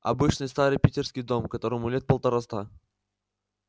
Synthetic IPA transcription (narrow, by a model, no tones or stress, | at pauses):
ɐ̰bɨt͡ɕnɨjst̪aɾɨjpʲitʲɪrskʲɪjd̪o̞mkɐt̪o̞ɾəmʊlʲet̪̚pəlˠt̪ɐɾast̪a